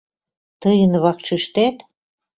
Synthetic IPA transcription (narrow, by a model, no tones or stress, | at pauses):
t̪ɤjə̆nβɑkt͡ʃiʃt̪æt̪